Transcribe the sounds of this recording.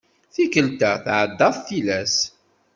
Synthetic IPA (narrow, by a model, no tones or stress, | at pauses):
θikəlt̪aθʕəd̪ːɑðˤθilæs